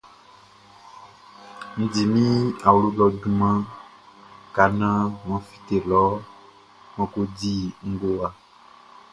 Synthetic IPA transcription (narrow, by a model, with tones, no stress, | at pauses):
ŋ̩̃˨di˨mĩ˦a˨wlo˦lɔ˨ɖu˨mã˦ | ka˨nã˦ŋɔ̃˨fi̥˨t̪e˨lɔ˨˦ | mɔ̃˨ko˦di˦ŋ̩˦ɡo˦a˨